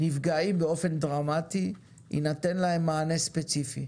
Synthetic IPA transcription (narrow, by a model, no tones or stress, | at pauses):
nifɡaimbeo̞fe̞ndʁamat̪i | ḭnate̞nlaɦemːaːnespet͡sifḭ